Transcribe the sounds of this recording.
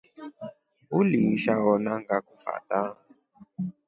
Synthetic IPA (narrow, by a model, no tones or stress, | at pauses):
uliʃaɦɔnaŋɡakufa̰ta